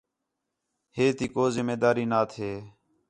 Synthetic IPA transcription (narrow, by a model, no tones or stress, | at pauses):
heːt̪iːkoːzɪmeːd̪aːɾiːnaːt̪ʰeː